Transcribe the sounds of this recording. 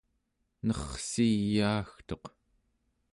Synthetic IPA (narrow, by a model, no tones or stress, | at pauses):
nʌχsijaːxt̪o̞q